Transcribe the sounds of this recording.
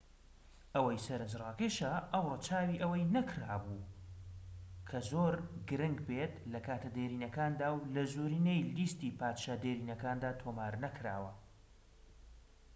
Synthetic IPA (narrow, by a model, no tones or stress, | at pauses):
ʔɐwɐjsɐɾɨnd͡ʒrˤɑːkeʃɐʔɐwrˤɨt͡ʃʰaːwiːʔɐwɐjnɐkʰɾaːbuː | kʰɐzoɾɡɨɾɨŋɡbet̪lɐkʰaːt̪ʰɐd̪eːɾiːnɐkaːnd̪aːwlɐzuɾiːnejliːst̪iːpaːt̪ʃaːd̪eːɾiːnɐkaːnd̪aːt̪ʰoːmaːɾnɐkʰɾa̰ːwɐ